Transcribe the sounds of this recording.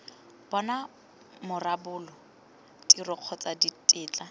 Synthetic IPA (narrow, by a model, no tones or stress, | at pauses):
b̥ɔna | mʊrabʊːlɔ | tʼirɔq͡χʰɔt͡saditʼɪːt͡ɬʼa